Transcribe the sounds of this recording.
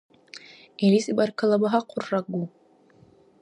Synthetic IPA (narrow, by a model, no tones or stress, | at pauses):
elisibarkʰalabaɦaqʷʰʊrːaɡu